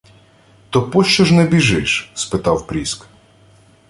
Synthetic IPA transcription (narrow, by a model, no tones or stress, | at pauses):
t̪ɔpɔʃt͡ʃɔʒnɛbʲiʒɪʃspɪt̪ɑwpɾʲisk